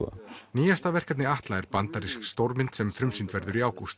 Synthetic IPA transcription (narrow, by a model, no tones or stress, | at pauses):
a̰niːjast̪avɛr̥kat̪nɪaht̪laɛɾpant̪aɾiskst̪owɾmɪnt̪sɛmfɾʏmsint̪vɛɾðʏɾiaːwkust̪